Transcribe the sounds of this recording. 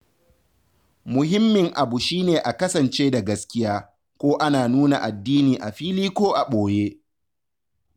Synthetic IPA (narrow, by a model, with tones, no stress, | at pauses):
mʊ˨hɪ˦mːɪ˨ŋʔa˨bu˨ʃiː˦neː˨ʔa˨kɐ˦sɐ˨nt͡ʃeː˦da˨ɡɐ˦skʲɪ˦jaː˦ | kʷoː˦ʔa˦naː˨nuː˦na˨ʔa˨dːiː˦niː˨ʔa˨ɸiː˦liː˦kʷoː˦ʔa˨ɓoː˨jeː˦